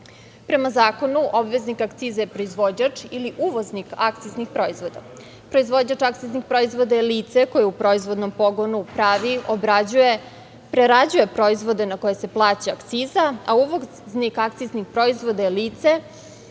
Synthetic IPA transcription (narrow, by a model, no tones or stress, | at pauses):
pɾe̞mazaːko̞nuʔobʋeznikakt̪siːzajepɾoizʋo̞d͡ʑat͡ʂiliʔuʋoznikak̚t̪siznixpɾo̞izʋo̞d̪a | pɾo̞izʋo̞d͡ʑat͡ʂakt̪siznixpɾo̞izʋo̞d̪aeliːt̪seko̞jeupɾo̞izʋo̞d̪no̞mpo̞ɡonupɾaʋiobɾad͡ʑuje | pɾeɾad͡ʑuje̞pɾo̞izʋo̞d̪e̞nako̞je̞se̞plˠaːt͡ɕeakt̪siːzaa̰uʋo | znikakt̪siznixpɾo̞izʋo̞d̪ajeliːt̪se